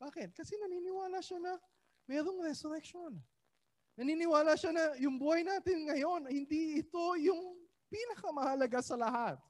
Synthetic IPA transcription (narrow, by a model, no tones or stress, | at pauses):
b̥aːkɪt̪̚kɐsɛnɐniːnɪwaːlaʃanɐ | mɛːɾo̞ŋɾɛsoɾɛkʃo̞n | nɐniːnɪwaːlaʃanɐjʊŋbuːhɐjnaːt̪ɪnŋɐjo̞nɐhɪnd̪iɪt̪o̞jʊŋ | piːnɐkɐmɐhɐlɐɡasɐlɐhat̪̚